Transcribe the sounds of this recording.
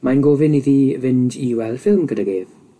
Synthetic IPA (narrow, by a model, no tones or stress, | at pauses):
majnɡoːvɪniðivɪndiːwɛlˠfɪlˠmɡədaɡeːð